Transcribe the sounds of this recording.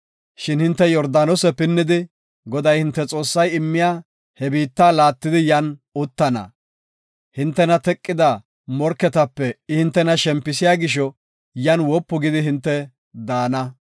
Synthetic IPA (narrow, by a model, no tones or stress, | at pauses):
ʃɪnhɪnt̪ːɛjɔɾd̪aːnɔsɛpɪnːɪd̪ɪ | ɡɔd̪ɐjhɪnt̪ːɛt͡sʼo̞ːsːɐjɪmːɪjaː | hɛbiːt̪ːaːlaːt̪ːɪd̪ɪjɐnʊt̪ːɐnɐ̰ | hɪnt̪ːɛnɐt̪ɛkʼːɪd̪ɐ | mɔɾkːɛt̪ɐpːɛɪhɪnt̪ːɛnɐʃɛmpːɪs̬ɪjaːɡɪʃ̬ɔ | jɐnwɔpːʊɡɪd̪ɪɦɪnt̪ːɛ | d̪aːnɐ